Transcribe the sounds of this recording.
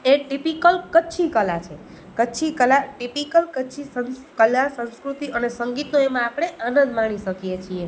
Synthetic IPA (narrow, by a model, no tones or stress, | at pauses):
eʈipikəlkətːt͡ʃʰikəlat͡ʃʰe | kəːt͡ʃʰikəlaʈipikəlkəːt͡ʃʰisə̃nkəlasə̃nskɾut̪iənesəŋɡit̪noemãapɽ̃eʔənə̃nd̪mãɳ̃iʃəkijet͡ʃʰie